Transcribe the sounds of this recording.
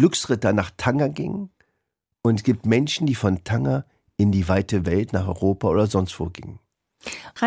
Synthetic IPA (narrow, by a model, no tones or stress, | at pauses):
lʏksʁ̥ɪtɐnaːχtʰaŋɐɡɪ̰ŋən | ʊntɡ̥iːp̚tmɛnʃn̩diːfɔntʰaŋɐ | ʔɪndiːvaɪtəvɛltnaːχɔ̰ʁoːpaʔoːdɐzɔnstv̥o̰ːɡɪ̰ŋən | a